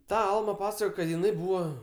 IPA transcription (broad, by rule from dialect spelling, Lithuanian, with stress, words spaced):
ˈtɐ ˈɐlˠmɐ ˈpɑːsɐkoːjoː kɐt jɪˈnɐɪ ˈbuːʋɐ